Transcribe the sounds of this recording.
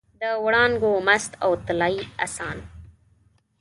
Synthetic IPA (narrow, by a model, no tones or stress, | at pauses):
d̪əwɽɑːnɡomast̪awt̪alɑiasɑːn